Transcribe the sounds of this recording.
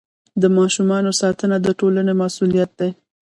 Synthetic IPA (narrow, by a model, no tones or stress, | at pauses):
d̪əmɑʃumɑnosɑt̪ənad̪əʈolanemasulijat̪̚d̪ej